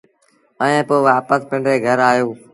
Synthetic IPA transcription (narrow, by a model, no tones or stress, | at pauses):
əẽːpoːʋaːpəspɪ̃ɳɖɾeːɡʱəɾaːɦjoː